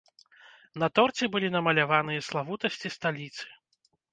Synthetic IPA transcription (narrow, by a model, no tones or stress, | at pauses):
nɐt̪ɔrt͡sʲɛbɨlʲinɐmɐlʲavanɨjɐslˠavut̪ɐsʲt͡sʲist̪alʲit̪sɨ̥